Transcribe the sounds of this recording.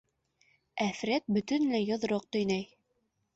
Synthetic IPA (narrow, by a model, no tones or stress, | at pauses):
æfɾæt̪̚bɵ̆t̪ɵnlæjŏðɾoq̚t̪ɵ̆jnæj